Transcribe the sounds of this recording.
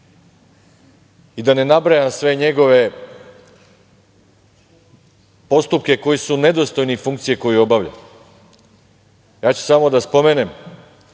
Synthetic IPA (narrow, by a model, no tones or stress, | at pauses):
id̪ane̞nabɾajamsʋe̞ɲe̞ɡo̞ʋe̞ | po̞st̪up̚ke̞ko̞jisune̞d̪o̞st̪o̞jnifuŋk̚t̪sije̞ko̞jio̞baʋʎa̰ | jaːt͡ɕu̥samo̞d̪aspo̞me̞ːne̞m